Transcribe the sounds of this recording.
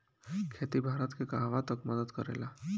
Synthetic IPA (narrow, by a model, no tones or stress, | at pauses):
kʰet̪ibʱaɾat̪kekaɦʋat̪əkməd̪əd̪kəɾa̰jla